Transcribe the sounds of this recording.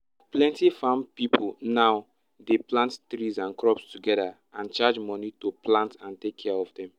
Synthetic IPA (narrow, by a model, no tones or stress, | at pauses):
plɛ̃ntifãmpipʰulnaʊ | deplãnttɹizãnkɹɔpstuɡɛda | ãnt͡ʃad͡ʒmɔnitoplãntãntekʰːɛaɔvdɛ̃m